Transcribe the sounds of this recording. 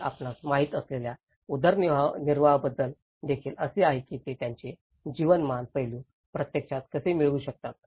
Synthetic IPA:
a̰pnasmaɦiːt̪əslelja | ud̪ʱəɾniniɾʋaɦbəd̪ːəl | d̪ekʰiːləseaɦekit̪et̪jaɲt͡ɕe | d͡ʑiʋənmanpəjluː | pɾət̪jekʂat̪kəsemiɭuːɕək̚t̪at̪̚

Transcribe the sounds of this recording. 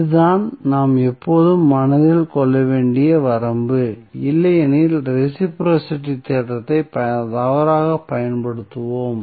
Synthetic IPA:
ɯðaːnnaːmɛpːoːðɯmːɐnɐðɪlkɔɭːɐʋeːɳɖɪjɐʋɐɾɐmbɯ | ɪlːɐjɛnɪlɾɪsɪpɾoːsɪʈːit̪ːeːtɐt̪ːɐɪpɐt̪ɐʋɐɾaːɣɐpːɐjɐnpɐɽɯt̪ːɯʋoːm

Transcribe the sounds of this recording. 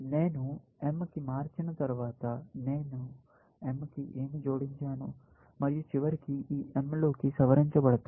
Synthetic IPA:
neːnuemːɐkimaːɾt͡ʃinɐt̪ɐɾuʋaːt̪ɐne̞ːnu | emːɐkiʔe̞ːmid͡ʒoːɽiɲt͡ʃaːnu | mɐɾijut͡ʃiʋɐɾikiiːʔemloːkisɐʋɐɾiɲt͡ʃɐbɐɽɐt̪aː

